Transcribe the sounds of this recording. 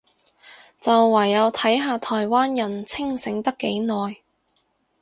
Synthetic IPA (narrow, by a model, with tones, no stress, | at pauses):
t͡sɐ˨wːɐ˨˩jːɐ˨˧wt̪ʰɐ˨˥jɦaː˨˧t̪ʰɔː˨˩jwaː˥njɐ˨˩nt͡sʰɪ˥ŋsɪ˨˥ŋt̪ɐ˥kːe˨˥jnɔː˨j